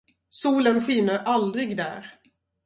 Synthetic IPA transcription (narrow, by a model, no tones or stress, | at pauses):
suːlənɧiːnəɾʔald̪ɾɪɡd̪æ̰ːɾ